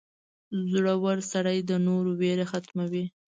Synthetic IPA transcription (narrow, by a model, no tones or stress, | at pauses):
zɽawaɾsaɽajd̪ənoɾoweɾaxat̪mawi